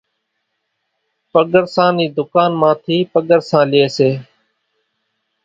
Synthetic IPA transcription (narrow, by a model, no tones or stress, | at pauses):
pəɠəɾsãːniːd̪ʊkaːnmãːt̪ʰiːpəɠəɾsãːlɪeːseː